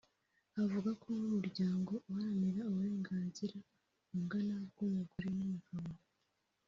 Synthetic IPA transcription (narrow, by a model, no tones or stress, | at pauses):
avuɡakʰonumuɾɟaːŋɡo̞uhaameɾauβuɾe̞ːŋɡaːnziɾa | umɡanaβ̚ɡujaɡuɾinumuɡama